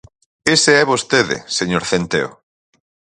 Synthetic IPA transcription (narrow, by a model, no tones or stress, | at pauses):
eseɛβost̪eðḛseɲoɾθent̪eo̰